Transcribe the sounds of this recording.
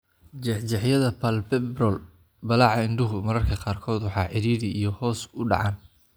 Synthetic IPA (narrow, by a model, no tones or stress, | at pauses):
d͡ʒɛħt͡ʃɛħjɐðɐpʰɐlpɛbrɔl | bɐlɑːʕɑɪnɖɪɦʊmɐɾɐrkʰɐqɑːrkʰɔːd̪wɑħɑ̰ːʕɪɾiːɾɪijɔhɔːsʊɖɑ̰ʕɑːn